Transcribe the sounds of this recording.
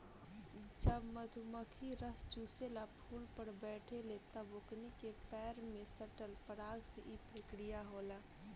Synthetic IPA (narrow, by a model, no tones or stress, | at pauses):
d͡ʒəbməd̪ʱuməkʰiɾəst͡ʃuːselapʰuːlpəɾbɛːʈʰelet̪ɐboknikepɛːɾmẽsəʈəlpəɾaːɡseʔipɾəkɾijaɦoːlaː